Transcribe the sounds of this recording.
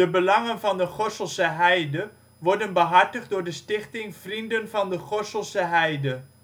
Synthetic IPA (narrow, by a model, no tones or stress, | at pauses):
əbəlɑŋənfɑndəχɔsəlˠsəɦɛjdə | ʋɔrdənbəɦɑrtəχdʊːrdəstɪχtɪŋfrindənfɑndəχɔsəlˠsəɦɛjdə